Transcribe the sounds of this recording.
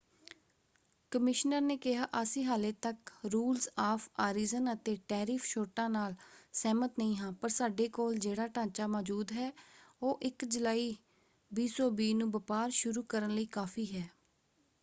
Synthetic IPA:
kəmɪʃnəɾneːkɪɦaːʔəsiːɦaːleːt̪əkɾuːlsaːpʰaːɾiːzənət̪eːʈɛːɾɪːpʰʃoːʈãːnaːlsɛːmət̪nəĩːɦãːpəɾsaːɖeːkoːld͡ʒeːɽaːʈãːt͡ʃaːmɔːd͡ʒuːd̪ɦɛːoːʔɪkd͡ʒəlaːiː | biːsɔːbiːnũːbəpaːɾʃʊɾuːkəɾənləiːkaːpʰiːɦɛː

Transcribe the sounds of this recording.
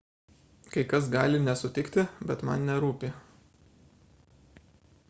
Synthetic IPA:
kɐɪkɐsɡɑːlʲɪnʲɛsʊt̪ʲɪkt̪ʲɪbʲɛt̪mɐ̰nnʲɛɾuːpʲi

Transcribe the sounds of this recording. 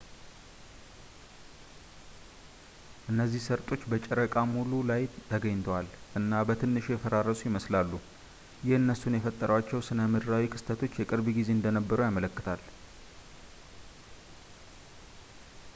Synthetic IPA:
ʔɨnːəzːihsəɾt̪ʼo̞t͡ʃːbət͡ʃʼɛɾəkʼamululajt̪ʰəɡəɲt̪ʰəwalʔɨnːabət̪ʰɨnːɨʃjɛfəɾaɾəsʼujɪməslalːu | jɪhɨnːəsunjɛfət̪ʼːəɾəwat͡ʃːɛwsɨnəmɨd̪ɾawikʰɨ̥st̪ʰət̪ʰo̞t͡ʃːjɛkʼɨɾbɡize̞ɨnd̪ənəbːəɾujamələkːɨt̪ʰal

